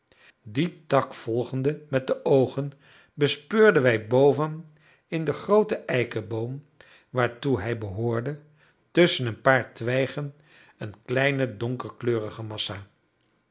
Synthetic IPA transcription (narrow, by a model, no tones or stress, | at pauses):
ditɑkfɔlˠχəndəmɛt̚dəʔowχən | bəspøːɹdənʋɛjbowvən | ɪndəχrowtəʔɛjkəbowm | ʋaːɹtuɦɛjbəɦʊːɹdə | tɵsənənpaːɹtʋɛjχən | ənklɛjnədɔŋkəɹkløːrəχəmɑsa